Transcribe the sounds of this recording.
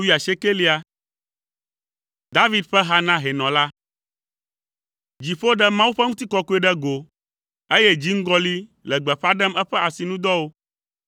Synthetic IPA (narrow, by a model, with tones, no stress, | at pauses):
wi˦a˨ʃe˦ke˦li˦a˨ | d̪a˦vi˦d̪ɸɛ˦ɦa˦nã˦ɦɛ˨nɔ̃˨la˦ | d͡ʑi˨ɸo˦ɖɛ˦mã˦wu˦ɸɛ˦ŋũ˦t̪i˦kɔ˦ku˦ɛ˦ɖɛ˦ɡo˨ | e˦jɛ˦d͡ʑi˦ŋ̩˦ɡɔ˦li˦lɛ˨ɡ͡bɛ˨ɸa˦ɖɛ˦mɛ˦ɸɛ˦a˨si˨nũ˦d̪ɔ˦wo˦